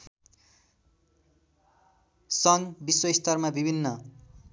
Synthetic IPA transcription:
sʌŋbiswʌist̪ʰʌrmabibʱinːʌ

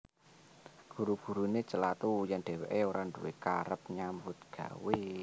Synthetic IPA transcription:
ɡ̥ṳɾuɡ̥ṳɾunet͡ʃəlat̪ujaŋɖ̥ɛ̤weʔeoɾanɖṵweka̰ɾəp̚ɲambʊt̪̚ɡ̥a̤̰we

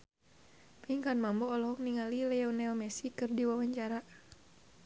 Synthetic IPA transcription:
piŋkanmambɔːlɔɦɔk̚niŋalilɛɔnɛlmɛsikɨrdiwawaɲt͡ʃaɾa

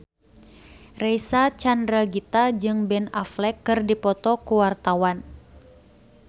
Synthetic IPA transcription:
rɛjsat͡ʃandɾaɡit̪ad͡ʒɨŋbɛnaflɛkːɨrdipɔt̪ɔkuwart̪awan

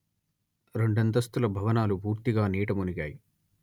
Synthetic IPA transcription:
ɾe̞ɳɖɐnd̪ɐst̪ulɐbʱɐʋɐnaːlubuːɾt̪iɡaːniːʈɐmuniɡaːji

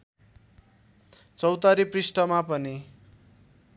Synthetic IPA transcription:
t͡sʌwt̪aɾiprisʈʌmapʌni

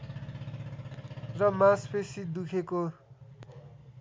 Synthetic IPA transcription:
rʌmãspʰesid̪ukʰeko

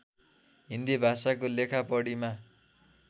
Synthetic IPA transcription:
ɦind̪ibʱasakolekʰapʌɽima

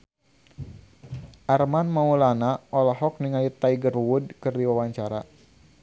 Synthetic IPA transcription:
ʔarmanmaulanaʔɔlaɦɔk̚niŋajit̪aiɡərwud̚kɨrdiwawaɲt͡ʃaɾa

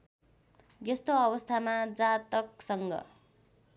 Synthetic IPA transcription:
jest̪oʌβʌst̪ʰamad͡zat̪ʌk̚sʌŋɡʌ̰

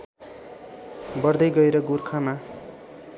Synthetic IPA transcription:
bʌrd̪ʌjɡʌeɾʌɡurkʰama

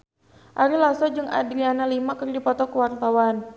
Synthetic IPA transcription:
ʔaɾilasɔd͡ʒɨŋa̰dɾianalimakɨrdipɔt̪ɔkəwart̪awan

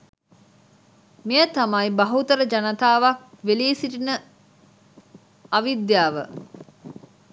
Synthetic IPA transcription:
mejət̪amajbɐɦut̪əɾəd͡ʒanət̪aːʋak̚ | ʋeliːsiʈinə | ɐʋid̪jaːʋə

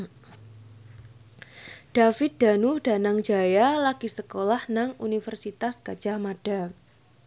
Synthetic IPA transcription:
d̥afɪt̪̚d̥a̤nud̥a̤naŋd͡ʒajalaɡ̥isəkolahnaŋunifərsit̪askḁd͡ʒ̥amaɖ̥a

